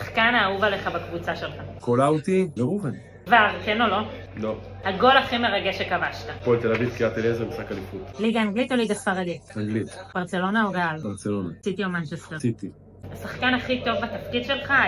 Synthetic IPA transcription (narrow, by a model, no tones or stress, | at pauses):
aχkanaːuvale̞χabakvut͡saʃelχakolawt̪ibeʁuvan | vaʁkeno̞lo̞ | lo | haɡo̞laχime̞ʁaɡeʃekavaʃtapolt̪elavivkiat̪ilezemisakalifut̪liɡaːŋɡlit̪oliɡasfaʁad̪itaŋɡlit̪b̥aʁt͡se̞lo̞naoɡalbaʁt͡selo̞nasit̪iomant͡ʃest̪eʁsit̪i | asaχkanaχit̪o̞vbat̪afkid̪ʃe̞lχa